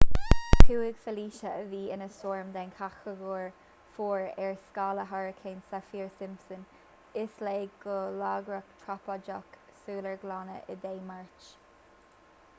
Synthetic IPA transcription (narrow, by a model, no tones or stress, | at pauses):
tʰuːɪɡfəliːʃəəviːɪnəsoːɹmd̪ɛnkʰaxəɡuːɹ | fuːɹɛɹskɑːləɦaɹəkʰensafiːɹsɪmsən | ɪsleːɡɡəlaːɡɹəkt̪ʰɹapɔd͡ʒɔksuːləɹɡlɑːnə̰ʔə̰d̪eːmaɹt͡ʃ